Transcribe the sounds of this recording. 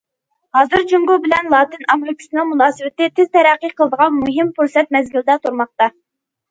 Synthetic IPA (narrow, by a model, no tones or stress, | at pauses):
hɑːzɨɾd͡ʒuŋɡubɪlɛnlˠɑːt̪ɨnɑmɾkʲʰi̥sɨnɨŋmunɑːsɨwɪt̪ɪt̪ʰɪz̥t̪ʰɛɾæqːiqʰəlˠəd̪əʁɑnmuɦɪmfuɾsɛt̪̚mɛzɡʲild̪ɛt̪ʰuɾmɑq̚t̪ɑ